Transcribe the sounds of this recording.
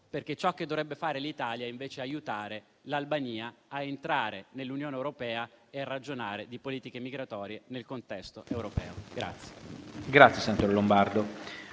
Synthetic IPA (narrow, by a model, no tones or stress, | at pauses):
perk̟et͡ʃɔkːed̪ːovɾɛbːefaːɾelit̪aːljaiɱveːt͡ʃeajut̪aːɾe | lalbaɲiːaaent̪ɾaːɾenelːunjoːnewɾopɛːaerːad͡ʒonaːɾed̪ipoliːt̪ikemiɡɾat̪ɔːɾjenelkont̪ɛst̪oʔewɾopɛ̰ːoɡɾa̰t̪sːje̥ɡɾat̪sjesanat̪oɾlombard̪o